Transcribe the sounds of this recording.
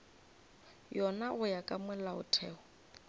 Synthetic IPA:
jɔnaʊjakʼamɛlaʊ̰tʰɛːɔ

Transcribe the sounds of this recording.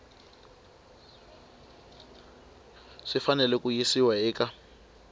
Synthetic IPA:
ʂifanɛlɛkʼujisiwaɛːka

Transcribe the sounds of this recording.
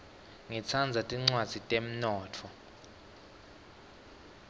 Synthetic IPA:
ŋit͡sʰand͡zʱatʼiŋ͡ǀwad̥z̥ʱitʼem̩nɔːtʰɔ

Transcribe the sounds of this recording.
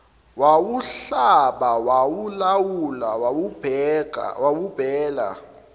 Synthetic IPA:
wawuɬaɓawawulawulawawubʱɛka̰wawub̥ʱɛːla̰

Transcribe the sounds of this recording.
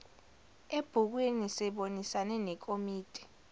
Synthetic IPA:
eb̥ʱuk̬wenisɛɓonisanɛnɛk̬ʼomiːtʼɛ̥

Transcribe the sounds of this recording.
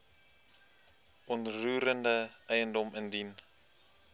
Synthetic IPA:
ɔnruːɾəndəɛjəndɔməndin

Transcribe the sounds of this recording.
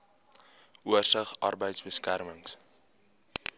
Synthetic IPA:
ʔuərsəχɐ̰rbəjtsbəskærməŋs

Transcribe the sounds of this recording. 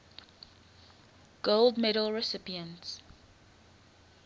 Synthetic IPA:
ɡ̥olˠdmɛɾəlˠɹɛsɪpiə̃nts

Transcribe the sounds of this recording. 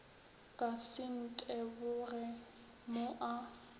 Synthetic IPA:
kʼasɪn̩tʼɛbʊrɛ | moʔa

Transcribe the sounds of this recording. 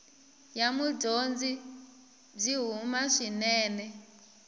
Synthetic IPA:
jamuɟond͡zi | b͡ʐʷiɦumaʂinɛːnɛ

